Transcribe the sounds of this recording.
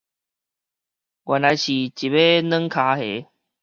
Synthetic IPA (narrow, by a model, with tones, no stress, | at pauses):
ɡwa˨nla˨˧jɕi˨˩t͡ɕi˨˩be˦nə̃˦ŋkʰa˧˦he˨˦